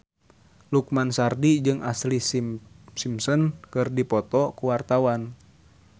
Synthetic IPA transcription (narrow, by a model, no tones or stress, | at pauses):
luk̚mansardid͡ʒɨŋʔaslissimsɔnkɨrdipɔt̪ɔkuwart̪awan